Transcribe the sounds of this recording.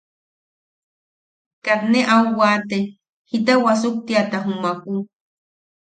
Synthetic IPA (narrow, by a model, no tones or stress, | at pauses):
kat̪neʔawwaːt̪e | hit̪̬awas̬uk̚t̪iat̪aɦumaku